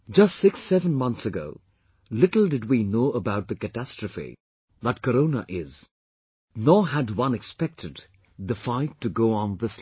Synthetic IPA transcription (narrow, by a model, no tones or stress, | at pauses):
d͡ʒʌstsɪksɛvə̃nmʌ̃nθsəɡo̰ʊ | lɪtl̩ˠdɨd̚winoʊəbaʊt̪̚ðɨkɨtæstɹ̥əfḭ | ðət̚kəɾõʊnə̰ʔɪz̥ | nɔɦɨdwʌ̃nɨkspɛk̚tʰɨd̪ | ðəfaɪtːɨɡoʊə̃nðɪs